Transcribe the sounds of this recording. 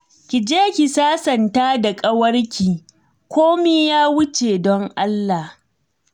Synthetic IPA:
kʲɪ˨d͡ʒeː˦kʲi˨saː˦sɐ˨ntaː˦da˨kʼɐ˦wɐ˦rkʲiː˨ | kʷoː˦miː˦jaː˦wʊ˦t͡ʃe˨dɔ˦ŋʔa˦lːa˨h

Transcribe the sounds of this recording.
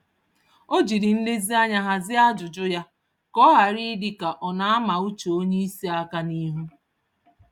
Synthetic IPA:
o˦d͡ʒi˨ɾi˨n̩˦de˦zi˦a˦ɲa˦ɦa˨zɪ˦a˦d͡ʒʊ˨d͡ʒʊ˦ja˦ | kɔ˦ɦa˨ɾi˦di˨ka˨ʔɔ˨na˨a˦ma˨u˦t͡ʃo˨o˦ɲe˦i˦si˦a˦ka˦ni˦ɦu˦

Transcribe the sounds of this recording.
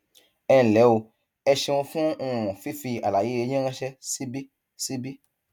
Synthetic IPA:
ɛ˧˨lɛ˨˦o˧ | ɛ˧ʃɛ˧wõ˧fũ˦ũ˧˨ɔ̃˨fi˦fi˧a̰˨la˨je˨˦e˧ɲẽ˦ɾ̃ɛ̃˦ʃɛ˦si˦bi˦ | si˦bi˦

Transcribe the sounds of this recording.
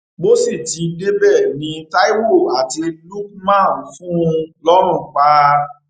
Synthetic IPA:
bo˦si˦˨ti˨˦de˦bɛ˦˨nĩ˨˧ta˦i˦wo˦˨a˨ti˨˧lu˦k̚mã˦˨n̩˨˧fũ˦lɔ˦ɾ̃ũ˦˨k͡pa˧

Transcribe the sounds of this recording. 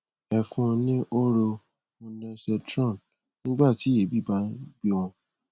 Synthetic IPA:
ɛ˨fũ˧nĩ˦ʔo˦ɾo˧ | mõ˧nɛ̃˧sɛ˧tɾɔ̃˦˨n | nĩ˦ɡ͡ba˦˨ti˨˦e˨˦bi˦˨ba˨˦ɡ͡be˦w̃ɔ̃˧

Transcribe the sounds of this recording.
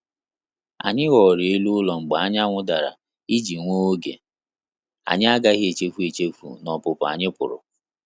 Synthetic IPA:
a̰˨ɲɪ˦ɣɔ˨ɾɪ˨e˦lu˦lɔ˨ŋ͡m̩˨ɡ͡ba˨a˦ɲ˦a˦ŋʷʊ˦da˨ɾa̰˨ | i˦d͡ʒi˨ŋʷo˦o˦ɡḛ˨ | a̰˨ɲɪ˦a˦ɡa˦ɣe˨t͡ʃe˦fu˦e˨t͡ʃe˦fṵ˨nɔ˨pʊ˨pa̰˨ɲɪ˦pʊ̰˨ɾʊ̰˨

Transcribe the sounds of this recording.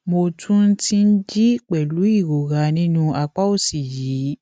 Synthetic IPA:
mo˧tʰũ˦n̩˦ti˦n̩˦d͡ʒi˦k͡pɛ˨lu˨˦i˦˨ɾo˨ɾa˨˦nĩ˦nũ˦a˧k͡pa˦o˦˨si˨jiː˨˦

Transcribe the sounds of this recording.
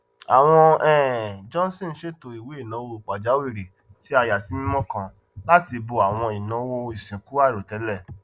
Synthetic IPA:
a˨w̃ɔ̃˧ɛ˨d͡ʒɔ̃˦n˦sĩ˦n̩˦ʃe˦to˨i˨we˨˦i˦˨nã˨˦wo˦˨k͡pa˨d͡ʒa˨˦wi˦˨ɾe˨ | ti˨˦a˧ja˨si˨˦ĩ˦mɔ̃˦kã˧ | la˦ti˧bo˧a˨w̃ɔ̃˧i˨nã˨˦wo˧i˨sĩ˨ku˨˦a˦˨ɾo˨tɛ˨˦lɛ˦˨

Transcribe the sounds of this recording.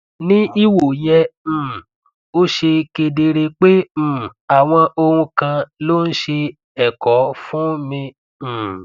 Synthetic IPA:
nĩ˦i˦wo˨jɛ̃˧˨ | o˦ʃe˧ke˧de˧ɾe˧k͡pẽ˦˨a˨w̃ɔ̃˧ʔo˧ɾũ˧kã˧lo˦n̩˦ʃe˧ | ɛ˨kɔ˨˦fũ˦mĩ˧˨

